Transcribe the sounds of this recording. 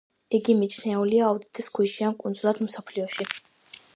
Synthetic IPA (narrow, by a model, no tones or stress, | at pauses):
iɡimit͡ʃʰnɛuliaːud̪it̪ʼɛskʰiʃiankʼund̪zulˠad̪m̩sɔpʰliɔʃi